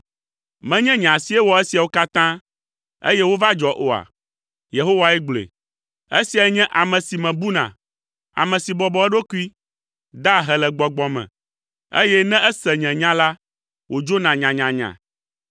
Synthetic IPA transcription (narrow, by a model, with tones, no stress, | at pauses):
mɛ̃˦ɲɛ̃˦ɲã˨si˦ɛ˦wɔ˨e˦si˨a˨wo˦ka˦t̪ã˦ | ḛ˦jɛ˦wo˦va˦d͡ʒɔ˨ʔo˨a̰˨ | je˨ɦo˦wa˨ɛ˦ɡ͡blḛ˨ | e˦si˨a˨˦ɲɛ̃˦ʔa˨mɛ̃˨si˨mɛ̃˨bu˦nã̰˨ | a̰˨mɛ̃˨si˨bɔ˨bɔ˨ɛ˦ɖo˦ku˦i˦ | d̪a˦ɦɛ˨lɛ˨ɡ͡bɔ˨ɡ͡bɔ˨mɛ̰̃˨ | ḛ˦jɛ˦nɛ̃˦ʔɛ˦sɛ˨ɲɛ̃˨ɲã˦la˦ | wo˨d͡ʒo˦nã˨ɲã˨ɲã˨ɲã̰˨